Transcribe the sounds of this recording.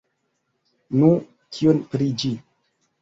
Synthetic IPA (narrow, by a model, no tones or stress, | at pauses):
nũ | kʰionpɾid͡ʒi